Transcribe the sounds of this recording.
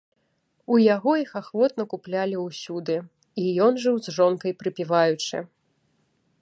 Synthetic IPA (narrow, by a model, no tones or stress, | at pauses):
ujaɣɔixaxvɔt̪nɐkuplʲalʲiwsʲud̪ɨ | ijɔnʐɨwzʐɔnkɐjpɾɨpʲivajut͡ʂɨ̰